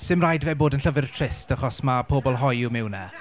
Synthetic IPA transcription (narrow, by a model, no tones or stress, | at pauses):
sɪmrajdvɛːboːdənɬəvɪrtʰrɪstaχɔsmapʰoːbɔlˠɦɔjɪwmɪwnɛ